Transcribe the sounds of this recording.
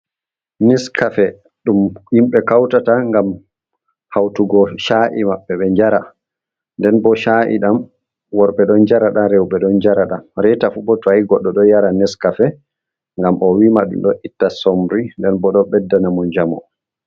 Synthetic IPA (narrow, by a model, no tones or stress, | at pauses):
nɛskʰafɛ | ɗumhimɓɛkawtataŋɡam | hawtuɡɔʃaʔimaɓːɛɓɛɲd͡ʒaɾa | ndɛnbɔʃaʔḭɗam | wɔɾɓɛɗɔnd͡ʒaɾaɗaɾɛwɓɛɗɔnd͡ʒaɾaɗamɾɛtafubɔtaiɡɔɗːɔɗɔjaɾanɛskafɛ | ŋɡamʔɔwimaɗṵmɗɔʔitːasomɾindɛnbɔɗɔɓɛdːanamɔnd͡ʒamɔ̰